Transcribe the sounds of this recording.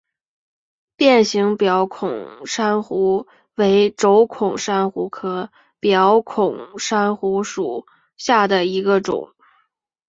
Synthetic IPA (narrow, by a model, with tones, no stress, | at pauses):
pjɛ˥˩nɕi˧˥ŋpjɑ˧˥ʊkʰʊ˨˩ŋʂa˥nxu˧˥ | we˧˥ɪʈ͡ʂo˧˥ʊkʰʊ˨˩ŋʂa˥nxu˧˥kʰɤ˧˥ | pjɑ˧˥ʊkʰʊ˨˩ŋʂa˥nxu˧˥ʂu˨˩˦ | ɕja˥˩d̪ə˩i˧˥ɡə˧ʈ͡ʂʊ̰˨˩˦ŋ